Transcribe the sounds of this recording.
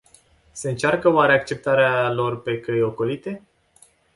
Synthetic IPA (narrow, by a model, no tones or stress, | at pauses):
se̞ɨnt͡ʃarkəwaɾeakt͡ʃe̞p̚t̪aɾealo̞rpe̞kəjo̞ko̞lit̪e̞